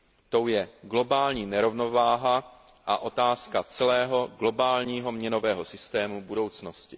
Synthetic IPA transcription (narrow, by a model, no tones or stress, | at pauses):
t̪o̞wjɛɡlo̞baːlɲiːnɛɾo̞vno̞vaːɦa | ʔa̰ʔo̞t̪aːskat͡sɛlɛːɦo̞ɡlo̞baːlɲiːɦo̞mɲɛno̞vɛːɦo̞sɪst̪ɛːmubudo̞wt͡sno̞scɪ